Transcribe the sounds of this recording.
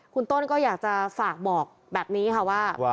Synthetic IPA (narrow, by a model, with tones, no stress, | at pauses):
kʰu˧nt̪o˥˩nkɔː˥˩jaː˨˩k̚t͡ɕa˨˩faː˨˩k̚bɔː˨˩k̚bɛː˨˩p̚niː˦˥kʰa˥˩waː˥˩